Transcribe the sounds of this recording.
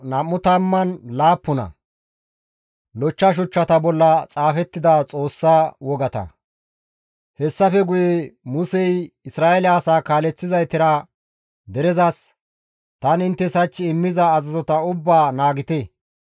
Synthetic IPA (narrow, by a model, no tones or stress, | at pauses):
nɐmːʊt̪ɐmːɐnlaːpːʊnɐ̰ | lɔt͡ʃːɐʃ̬ʊt͡ʃːɐt̪ɐbɔlːɐt͡sʼaːfɛt̪ːɪd̪ɐt͡sʼo̞ːsːaːwɔɡɐt̪ɐ̰ | hɛsːɐfɛɡʊjemʊsɛjɪsɾaːʔɛlɪasaːkaːlɛt͡sːɪzɐjt̪ɪɾɐ | d̪ɛɾɛzɐs | t̪ɐnɪnt̪ːɛsɐt͡ʃːɪɪmːɪzɐːzɐzɔt̪ɐʊbːaːnaːɡɪt̪e